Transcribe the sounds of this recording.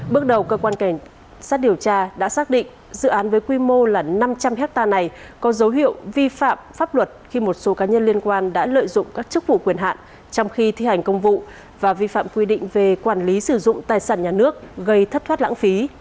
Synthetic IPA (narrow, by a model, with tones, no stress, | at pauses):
ɓɨ˦˥ək̚ɗə˨˩wkəː˧kwaː˧nka˧˩jŋ̟ | saː˦˥t̚ɗi˨˩əwt͡ɕaː˧ɗa̰ː˧˥saː˦˥k̚ɗḭ˧˨ŋ̟ | zɨ̰˧˨ʔaː˨˦nvəː˨˦jkwi˧mo˧laː˨˩na˧mt͡ɕa˧mhɛ˦˥k̚t̪aː˧na˨˩jkɔ˨˦zə˨˦wɦḭ˧˨əwvi˧fa̰ː˧˨mfaː˦˥p̚lwə˨˩t̚xi˧mo˨˩t̚so˨˦kaː˨˦ɲə˧nli˧ənkwaː˧nɗa̰ː˧˥lə̰ː˧˨jzʊ̰˧˨ŋ͡mkaː˦˥k̚t͡ɕɨ˦˥k̚vṵ˧˨kwi˧˩ənɦa̰ː˧˨n | t͡ɕɔ˧wŋ͡mxi˧t̪ʰi˧ha˨˩jŋ̟kə˧wŋ͡mvṵ˧˨ | vaː˨˩vi˧fa̰ː˧˨mkwi˧ɗḭ˧˨ŋ̟ve˨˩kwaː˧˩nli˨˦sɨ˧˩zʊ̰˧˨ŋ͡mt̪aː˨˩jsaː˧˩nɲaː˨˩nɨ˦˥ək̚ɣə˧jt̪ʰə˦˥t̪̚ʰwt̚la̰ː˧˥ŋfi˨˦